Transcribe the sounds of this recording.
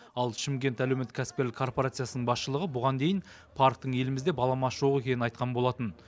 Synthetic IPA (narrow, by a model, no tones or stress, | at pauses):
ɑlˠʃɪmkʲe̞nt̪ælewmet̪ːɪkʲʰæsɪ̥p̚kʲe̞ɾlɪkʰːo̞rpoɾat̪sɨjasənəɴbɑsʃəlˠəʁəbʊʁɑnd̪e̞jɪn | pʰaɾk̚t̪əɴe̞lɪmɪzd̪e̞bɑlˠɑmɑʒ̥o̞ʁe̞kʲʰe̞nɪnɑjt̪qɑnbo̞lˠɑt̪ən